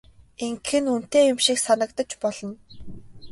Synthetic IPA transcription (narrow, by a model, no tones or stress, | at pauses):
eŋkxɘ̆nun̥t̪eːjʊmʃiksanə̆kt̪ə̆t͡ɕpɔɮ̥ɞ̆n